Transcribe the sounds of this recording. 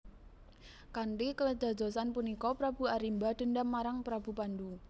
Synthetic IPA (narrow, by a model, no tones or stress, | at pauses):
kaɳɖikələdd͡ʒ̥a̤dd͡ʒɔ̤sanpunikɔpɾab̥ṳaɾimbad̥̪ə̤ndamːaɾaŋpɾab̥ṳpand̪u